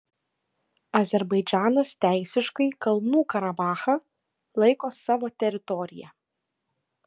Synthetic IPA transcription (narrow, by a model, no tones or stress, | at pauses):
ɐzʲɛɾbɐɪd͡ʒʲæːnɐst̪ʲæˑɪsʲɪʃkɐɪkɐlˠnuːkɐɾɐbɑːxɐ | lˠɐɪkoːsɑːʋoːt̪ʲɛɾʲɪt̪ɔɾʲɪjɛ̰